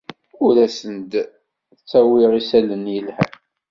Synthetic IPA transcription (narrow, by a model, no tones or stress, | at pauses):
ʊɾæsənd̪ | t͡sːæwɪʁisælənjəlhæ̰